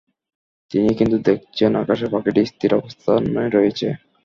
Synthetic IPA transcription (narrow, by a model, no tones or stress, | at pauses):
t̪inikint̪ud̪ek̚ʰt͡ɕʰenakaʃepakeʈist̪ʰiɾɔbost̪ʰanɾoet͡ɕʰe